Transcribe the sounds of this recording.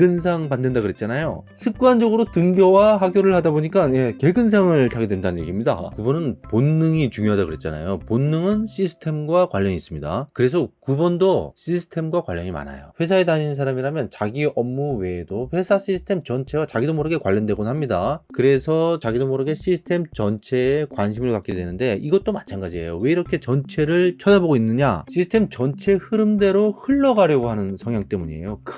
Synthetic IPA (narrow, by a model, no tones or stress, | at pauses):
ɡɯns̬ʰaŋmandɯndakɯɾe̞t̚t͡ɕ͈anajo̰ | sʰɯk̚k͈uwand͡ʑʌɡɯɾotɯŋɡjʌwaɦaɡjoɾɯɭhadaboɲik͈anje̞ke̞ɡɯns̬ʰaŋɯɭtʰaɡe̞dwe̞ndanɯnjeɡimɲida̰kubʌnɯnponːɯŋit͡ɕuŋjoɦadakɯɾe̞t̚t͡ɕ͈ana̰joponːɯŋɯnɕʰisʰɯ̥tʰe̞mɡwakwaʎːʌɲiːs͈ɯmɲida̰kɯɾe̞s̬ʰʌkubʌndoɕʰisʰɯ̥tʰe̞mɡwakwaʎːʌ̰ɲima̰na̰jo̰ɸwe̞sʰaetaɲinnsʰaɾamiɾamjʌnt͡ɕaɡiʌmːuwe̞doɸwe̞sʰaɕ͈ʰisʰɯ̥tʰe̞mt͡ɕʌnt͡ɕʰe̞wat͡ɕaɡidomoɾɯɡe̞kwaʎːʌndwe̞ɡonɦamɲidakɯɾe̞sʰʌt͡ɕaɡidomoɾɯɡe̞ɕ͈ʰisʰɯ̥tʰe̞mt͡ɕʌnt͡ɕʰe̞kwanɕ̬ʰimɯɭkak͈e̞dwe̞nɯnde̞iɡʌt̚t͈omat͡ɕʰanɡad͡ʑiɦe̞jowe̞iɾʌkʰe̞t͡ɕʌnt͡ɕʰe̞ɾɯɭt͡ɕʰʌdaboɡoinːɯɲa̰ɕ͈ʰisʰɯ̥tʰe̞mt͡ɕʌnt͡ɕʰe̞hɯɾɯmde̞ɾohɯɭːʌɡaɾjʌɡoɦanɯnsʰʌŋjaŋt͈e̞muɲie̞̰jok